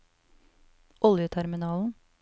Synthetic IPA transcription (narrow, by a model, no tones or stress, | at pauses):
ʔɔljət̪ʰæɾmɪnɑːln̩